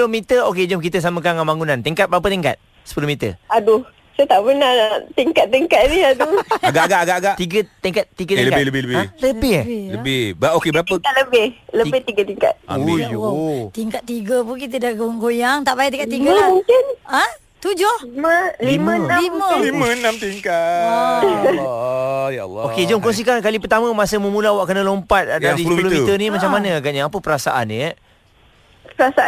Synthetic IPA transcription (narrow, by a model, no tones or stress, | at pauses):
lomit̪əok̬ed͡ʒəmk̬it̪əs̬amə̃kaŋambaŋunãnt̪iŋkat̪̚bəɾap̬ət̪iŋka̰t̪̚ | sə̥pulohmit̪ə̰adu | sət̪aʔbənat̪iŋkat̪̚ːiŋkat̪̚niaduaɡaʔaɡaʔaɡaʔaɡaʔt̪iɡət̪iŋkat̪̚t̪iɡət̪əkabɪləbɪləbɪləbɪhləbɪbʔokebəɾapəaləbɪhləbɪht̪iɡət̪iŋka̰t̪̚a̰o | t̪iŋkat̪̚ːiɡəpuk̬it̪̬ədaɡoaŋɡojaŋt̪aʔbajiʔt̪iŋkat̪iɡamuŋkɪnə̃ | t̪ud͡ʒʊhliməlimə̃naliməllimə̃nãmt̪iŋka | ja̰lːoked͡ʒəmkɔns̬ikankalip̬ərt̪amə̃masəməmulawaʔkənəlompat̪̚daɾilmloit̪ənimat͡ʃamːanə̃aɡat̪̚ɲaːpəpəɾasa̰ʔanːi | pəɾasaa